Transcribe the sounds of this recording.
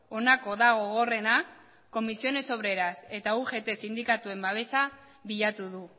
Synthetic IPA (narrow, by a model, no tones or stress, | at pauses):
o̞nako̞ðaɣ̞o̞ɣ̞o̞re̞na | ko̞misio̞ne̞so̞β̞ɾe̞ɾase̞t̪auʝe̞t̪e̞sind̪ikat̪ue̞mbaβ̞e̞sa | βiʎat̪uðu